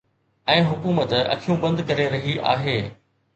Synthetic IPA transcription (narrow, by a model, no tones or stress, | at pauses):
ɛ̃ːɦʊkuːmət̪ɐ̰kʰijũbɐ̃nd̪kɐɾeɾɐɦiʔa̰ːɦeː